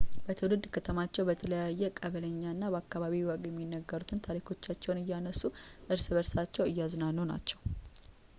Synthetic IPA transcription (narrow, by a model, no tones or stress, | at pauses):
b̥ət̪ʰɨwlɨd̪kʰət̪ʰəmat͡ʃːɛwbət̪ʰələjajːɛkʼəβələɲːaɨnːabəakːaβaβiwɔɡjɛmːinːəɡːəɾut̪ʰɨnt̪ʰaɾikʰo̞t͡ʃːat͡ʃːɛwnɨjːanəsːuʔɨɾsɨβəɾsat͡ʃːɛwɨjːaznalnːona̰t͡ʃːɛw